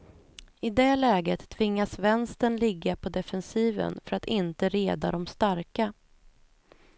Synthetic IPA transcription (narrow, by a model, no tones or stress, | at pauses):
ɪd̪ɛlɛːɡət̪ʰːvɪŋːasvɛnst̪ənlɪɡːapʰɔd̪ɛfɛnsiːvə̰nfœɾat̪ɪnt̪əɾeːd̪aɾɔmst̪aɾka